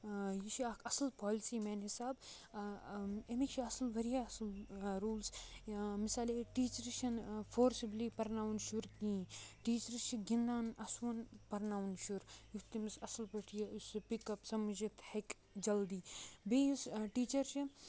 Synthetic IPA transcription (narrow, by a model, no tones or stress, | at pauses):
jiʃʰaːkʰɐsɐlpaːlisiːmɛːnɦisaːb | emit͡ʃʰiɐsɐlʋɐɾijaɐslɾuːlsmisaːleʈiːt͡ʃɐɾʃʰɐnfʰoːɾsibliːpɐɾnaːwnʃuɾkĩːʈiːt͡ʃɐɾt͡ʃʰiɡĩnd̪aːnɐsʋɐnpɐɾnaːwnʃuɾjut̪imisɐsɐlpɐʈʰijɐuspikɐpsɐmd͡ʒit̪hek | d͡ʒɐld̪iːbeːjusʈiːt͡ʃɐɾt͡ʃʰi